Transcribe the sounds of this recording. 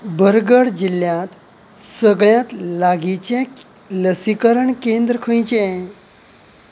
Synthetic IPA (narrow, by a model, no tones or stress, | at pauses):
bəɾɡəɽd͡ʑiljãt̪ | səɡɭjãt̪laɡit͡ɕe | ləsikəɾəɳkend̪ɾəkʰə̃jt͡ɕẽ